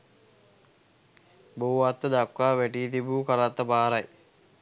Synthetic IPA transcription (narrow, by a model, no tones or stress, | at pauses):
bouat̪ːəd̪akːaːʋæʈiːt̪̬ibuːkəɾat̪ːəpaːɾaj